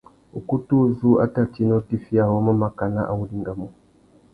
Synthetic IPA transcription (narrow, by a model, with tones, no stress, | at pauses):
u˨ku˦tu˦zu˦a̰˦ta˦˨ti˦nɔ˦ti˦fi˦a˦˨hɔ˦ma˦ma˦ka˨na˦ʔa˨wu˦li˦ŋɡa˨mu˨